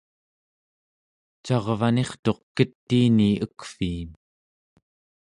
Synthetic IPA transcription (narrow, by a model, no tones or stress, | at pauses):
t͡ʃɑʁvane̞χt̪o̞qkət̪ːiːniəkfiːm